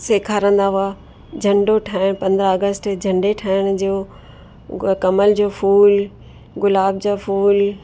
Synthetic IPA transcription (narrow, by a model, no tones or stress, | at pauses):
seːkʰaːɾə̃nd̪aɦua | d͡ʑʱɐ̃ɳɖoʈʰaːɪɽ̃pɐ̃nd̪ɾəəɡəsʈd͡ʑʱɐ̃ɳɖeʈʰaːɪɽ̃d͡ʑoː | kɐməld͡ʑoːfuːl | ɡʊlaːb̚d͡ʑofuːl